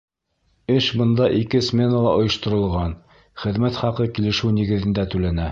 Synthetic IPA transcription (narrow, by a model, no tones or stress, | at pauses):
ɘʃbɤ̆nd̪ɑʔikɘsmʲe̞nəlˠɑʔŏjŏʃt̪ŏɾɤ̆lˠʁɑn | χɘ̆ðmæt̪χɑqɤkilɘ̆ʃɘnĭɡɘ̆ðɘ̆nd̪æt̪ʉlænæ